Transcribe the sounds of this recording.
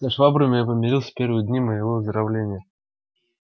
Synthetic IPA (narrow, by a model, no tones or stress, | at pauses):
saʂvabɾʊmʲɪjapəmʲɪɾʲilˠsʲə̥pʲervɨjəd̪ʲnʲiməjɪvovəzd̪ɾavlʲenʲɪjə